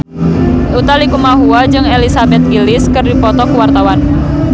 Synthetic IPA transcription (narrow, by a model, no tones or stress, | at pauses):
ut̪alikumaɦuad͡ʒɨŋelisabɛt̪̚ɡilɪskɨrdipɔt̪ɔkuwart̪awan